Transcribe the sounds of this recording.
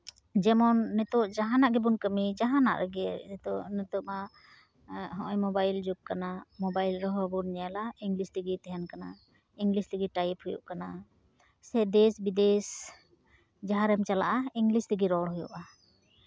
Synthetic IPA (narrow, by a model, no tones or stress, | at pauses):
d͡ʒɛmɔnːɛt̪ɔʔd͡ʒaɦanaʔɡɛbunkəmid͡ʒaɦana̰ʔɾəɡɛt̪ɔʔnɛt̪ɔʔma | ɦɔʔɔjmɔbajld͡ʒub̚kanamɔbajlɾɔɦɔbunɲɛalaiŋɡlist̪iɡit̪ɛɦɛnkana | iŋɡlist̪ɛɡiʈajiphujṵʔkana | sɛd̪ɛsbid̪ɛs | d͡ʒaɦaɾɛmt͡ʃala̰ʔaiŋɡlist̪əɡiɾɔɽɦujṵʔa